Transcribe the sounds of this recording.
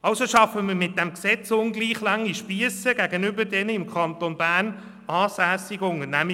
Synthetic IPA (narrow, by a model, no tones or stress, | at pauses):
ɑʊsoʃɑfəməɾmɪt̚d̥ɛmksɛt͡sʊnɡliːχlɑŋiʃpiəsəɡæɡənʏbəɾdɛnəɪmkʰɑnt̪onb̥æːrn | ɑːsæːsɪɡʊnənæmi